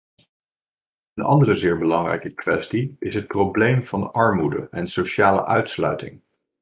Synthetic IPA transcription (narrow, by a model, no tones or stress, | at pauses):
ənɑ̰ndərəzɪːɹbəlɑŋrɛ̰jkəkʋɛstiɪsɦət̚prowblejmv̥ɑnɑɹmudə̰ʔɛnsoʃaːlə̰ʔœɥtslœ̰ɥtɪ̰ŋ